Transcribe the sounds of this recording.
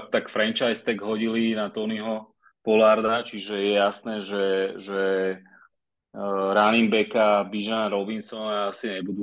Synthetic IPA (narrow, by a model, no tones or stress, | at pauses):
t̪akfɾɛnt͡ʃajst̪ɛɡɦɔɟilinat̪ɔːniɦɔ | pɔlaɾd̪at͡ʃiʒɛjɛjasnɛːʒɛʒɛ | ɾanimbɛkabiʒanaɾɔbinsɔnaasiɲɛbud̪u